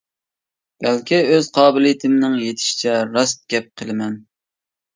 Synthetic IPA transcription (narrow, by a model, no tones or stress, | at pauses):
b̥ælkʲʰiøz̥qʰɑːbɪlɨjt̪ʰɪmnɪŋjet̪ʰɪ̥ʃi̥t͡ʃʰɛɾɑst̪̚ɡʲɛp̚qʰəlˠɨmɛn